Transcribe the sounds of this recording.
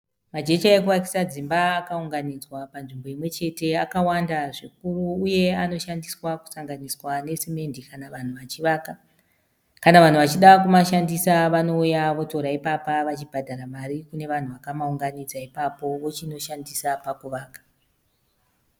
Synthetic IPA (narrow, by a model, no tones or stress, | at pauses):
mad͡ʒe̞t͡ʃaekuʋak̬i̥sad͡zimbaːkauŋɡanid͡zwapanʐimbo̞imwe̞t͡ʃe̞te̞akawandaʐik̚uruːje̞ano̞ʃandiswaku̥saŋɡaniswane̞seme̞ndikanaʋan̤uʋat͡ʃiʋaːka | kanaʋan̤uʋat͡ʃiɗakumaʃandisaʋano̞ujaʋo̞to̞ɾaipapaʋat͡ʃibʱadʱaɾamaɾikune̞ʋan̤uʋakamauŋɡanid͡zaipapo̞ʋo̞t͡ʃino̞ʃandisapakuʋaːkḁ